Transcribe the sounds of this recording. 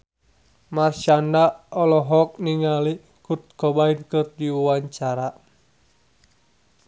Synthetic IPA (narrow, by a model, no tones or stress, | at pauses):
mart͡ʃandaɔlɔɦɔk̚niŋali | kut̪̚kɔbainkɨrdiwaɲt͡ʃaɾa